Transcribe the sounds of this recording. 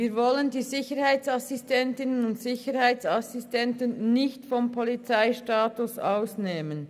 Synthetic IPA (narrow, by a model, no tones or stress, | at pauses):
viːɾvɔləndiːzɪçəɾhaɪt͡sasɪstʰɛntɪnənʊntsɪçəɾhaɪt͡sasɪstʰɛntənnɪçtfɔmpʰɔlit͡saɪʃtaːtʊsa̰ʊsneːmən